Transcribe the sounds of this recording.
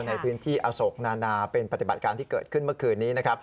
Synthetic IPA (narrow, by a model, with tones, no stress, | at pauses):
na˧jpʰɯː˦˥nt̪ʰiː˥˩ʔaː˧so˨˩˦k̚naː˧naː˧pe˧npa˧˩t̪i˨˩ba˨˩t̪̚kaː˧nt̪ʰiː˥˩kɤː˨˩t̪̚kʰɯ˥˩nmɯ˥˩kʰɯː˧nːiː˦˥na˦˥kʰa˦˥p̚